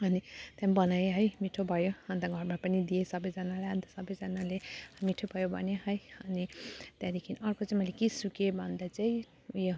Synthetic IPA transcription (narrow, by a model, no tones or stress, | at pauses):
ʌnit̪jãmbʌnajɦʌjmiʈʰobʱʌjoʌnt̪aɡʱʌrmapʌnid̪ijesʌbʌjd͡zʌnalaãnd̪asʌbʌjd͡zʌnalemiʈʰobʱʌjobʱʌ̰njeɦʌjʌnit̪jãd̪ikʰiniʌrkot͡saĩmʌjlekisukebʱʌnd̪at͡saĩ | jo